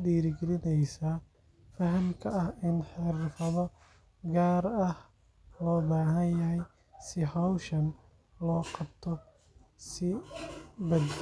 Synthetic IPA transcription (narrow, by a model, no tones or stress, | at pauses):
diːɾɪɡɛlɪnɛjsa | fɐɦɐmkʰɐɐhɪnħɪɾfɐðɔ | ɡaːɾɐh | lɔːbaːɦɐnjɐɦɛj | sɪhɔwʃɐn | lɔːqɑbt̪ʰɔ | sɪ | bɐd̪